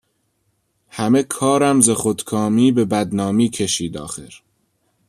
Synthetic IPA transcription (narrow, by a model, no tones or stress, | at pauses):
hæmekʰɒːɾæmzexod̪kʰɒːmiːbe̞bæd̪nɒːmiːkʰeʃiːd̪ɒ̰ːxeɾ